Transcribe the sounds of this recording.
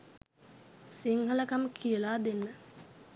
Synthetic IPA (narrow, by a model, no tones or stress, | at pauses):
siŋɦələkaməkʰijəlaːd̪enːə